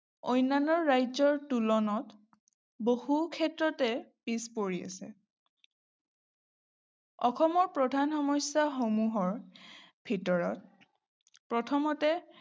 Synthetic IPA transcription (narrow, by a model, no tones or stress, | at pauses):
ojnːanɔɹːajzɔɹtulɔnɔt | bohukʰɛtɹɔtɛpispoɹia̰sɛ̰ | ɔxɔmɔɹpɹɔdʱanxɔmɔjsːaxomuɦɔɹbʱitɔɹɔ̰t̚ | pɹɔtʰɔmɔtɛ